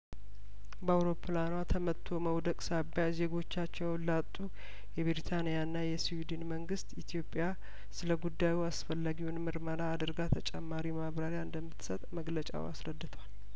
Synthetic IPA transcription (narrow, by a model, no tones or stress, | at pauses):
bəawɾo̞pʰɨlanwat̪ʰəmət̪ʰːo̞məwd̪əkʼsabjaze̞ɡo̞t͡ʃːat͡ʃːɛwnlat̪ʼːu | jɛβɾit̪ʰanijaɨnːajɛsiwid̪inməŋɡɨst̪it̪ʰjo̞pʼja | sɨləɡud̪ːajuasfəlːaɡiunmɨɾməɾaːd̪ɨɾɡat̪ʰət͡ʃʼɛmːaɾimaβɾaɾjaɨnd̪əmːɨt̪sət̪ʼməɡlət͡ʃʼa̰wa̰sɾəd̪ːɨt̪ʰəwal